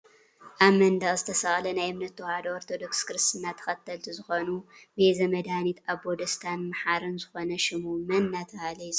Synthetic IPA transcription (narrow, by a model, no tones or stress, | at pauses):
ʔaβmɐnd̪aʔzɨt̪ʰɐsɐʔʼlɐnajɨmnɐt̪ːɨwhad̪ooɾt̪ʰo̞d̪o̞kskɨɾɨst̪ɨnːat̪ʰɐ̥xɐt̪ʰːɐlt̪ʰizɨxonubezɐmɐd̪anit̪ʰaβbod̪ɐst̪ʰanmaħaɾɨnzɨxo̞nɐʃɪmumɐnːat̪ʰɐhalɐjsʼ